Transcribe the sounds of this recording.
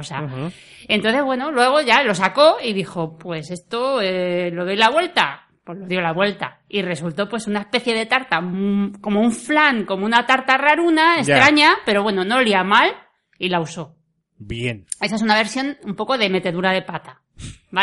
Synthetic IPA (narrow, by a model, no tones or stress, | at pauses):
osa̰ | e̞nt̪o̞nθeβwe̞no̞lwe̞ɣ̞o̞ʝalo̞sako̞iðixo̞pwe̞se̞st̪o̞elo̞ðojlaβwe̞lt̪a̰ | po̞lo̞ðjo̞laβwe̞lt̪a̰ | ire̞sult̪o̞pwe̞sunaespe̞θje̞ðe̞t̪aɾt̪ako̞mouɱflaŋko̞mounat̪aɾt̪araɾunaest̪ɾaɲape̞ɾo̞βwe̞no̞no̞liamal | ilauso̞ | bjene̞saesunaβ̞e̞ɾsjo̞numpo̞ko̞ðe̞me̞t̪e̞ðuɾaðe̞pat̪a | ba